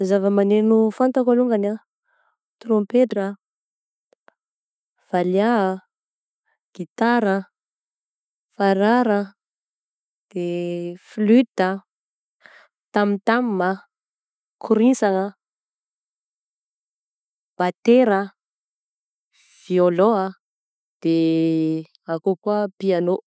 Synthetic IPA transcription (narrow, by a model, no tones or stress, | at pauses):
zavəmanenufant̪akaluŋɡana | t̪rompetrə | v̥alja | ɡ̥it̪aɾə | faɾaɾə | d̪̥eflyt̪ə | t̪amit̪ammə | kʰuɾisaŋə | b̥at̪eɾə | v̥ioloə | d̪̥e | akokuapiano